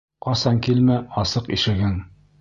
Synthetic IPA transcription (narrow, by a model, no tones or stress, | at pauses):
qɑsɑŋkilmæɑsɤqḭʃɘ̆ɡɘn